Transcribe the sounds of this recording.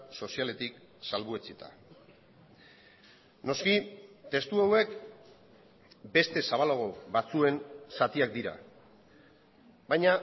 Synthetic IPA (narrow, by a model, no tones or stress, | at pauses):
so̞siale̞t̪iksalβuet͡sit̪ʰa̰ | no̞skit̪e̞st̪uawe̞k | be̞st̪e̞saβ̞aloɣo̞βat͡sue̞nsat̪iak̚d̪iɾa̰ | βajɲa